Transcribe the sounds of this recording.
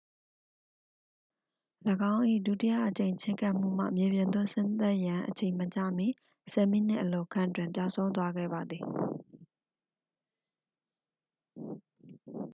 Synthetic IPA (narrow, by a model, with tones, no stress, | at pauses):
ləɡã˦ʊ̃ʔḭ˦˨du˦˨tɪ˦ja̰˦˨ʔət͡ɕẽ˨ɪ̃ɲt͡ɕʰɪ̰̃˦ŋkã˦ʔm̥ṵ˦˨m̥a̰˦˨mje˨bjɪ̃˨nd̪ʊ˦˨sɪ̃˦nt̪a˦ʔjã˨ʔət͡ɕʰẽ˨ɪ̃mə˨t͡ɕä̰˦˨mi˦˨ | sɛ˨mi˦˨n̥ɪ̰̃˦˨ʔəlo˨kʰã̰˦˨twɪ̃˨mpja˦˨ʊʔsʰõ˦ʊ̃nt̪̬wa˦ɡɛ̰˦˨ba˨d̪ði˨